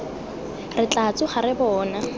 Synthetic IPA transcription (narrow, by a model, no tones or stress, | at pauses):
rɪt͡ɬat͡sʼʊχaɾɪbɔːna